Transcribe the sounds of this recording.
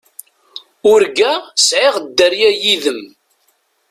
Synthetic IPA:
ʊɾɡæsʕeʁd̪ːəɾjæjiðəm

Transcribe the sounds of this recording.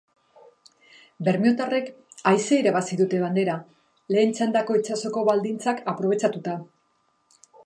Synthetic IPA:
be̞ɾmio̞t̪are̞k | ajseiɾaβasiðut̪e̞β̞and̪e̞ɾa | le̞ːnt͡ʃand̪ako̞it͡ʃaso̞ko̞βald̪int͡sakapɾo̞β̞e̞t͡ʃat̪ut̪a

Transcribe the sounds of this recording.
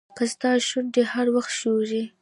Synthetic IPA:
kasd̪ɑʃund̪ehaɾwaxt̪ʃoɾi

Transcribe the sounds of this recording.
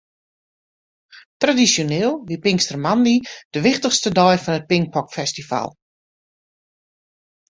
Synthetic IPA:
tradisjoneːlˠʋipɪŋstərmandid̥əʋɪxtəχstədɔjfɔnət̚pɪŋk̚pʰɔkfɛstifa̰lˠ

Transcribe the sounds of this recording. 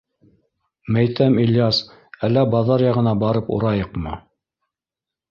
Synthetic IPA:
mæjt̪æmilʲjɑs | ælːæbɑðɑɾjɑʁɤ̆nɑbɑɾɤpṵɾɑjɤqmɤ̰

